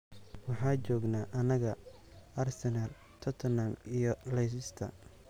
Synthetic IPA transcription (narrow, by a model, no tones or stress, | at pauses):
wɑħɑːt͡ʃɔːɡnaːʔɐnɐɣɐ | ʔɐrsɛnal | t̪ʰɔt̪ʰnamijɞlɛjs̬ɪst̪ʰɐ̰